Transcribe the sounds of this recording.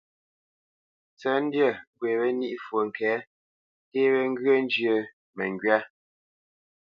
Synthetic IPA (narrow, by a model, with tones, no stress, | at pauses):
t͡sə˨˦n˦djə˦˨ɡwe˨βɛ˦ni˦ʔfwə˨ŋ̩˨kɛ˨˦ | te˦βe˦ŋ̩˦ɡɰə˦n˦d͡ʒjə˨ | mɛ˨ŋ˨ɡɥa˦